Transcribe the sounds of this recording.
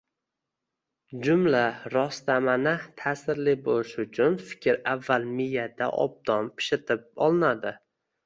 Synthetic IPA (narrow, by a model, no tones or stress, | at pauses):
d͡ʒʊmlaɾɒst̪amanɪt̪ʰaːsɪɾlɪbolɪʃʊt͡ʃʰʊnfɪ̥kʲɪɾavːalˠmɪjad̪a̰ʔɒ̰b̚d̪ɒnpʰɪ̥ʃɪt̪ʰɪp̚ɒ̰lˠɪnad̪ɪ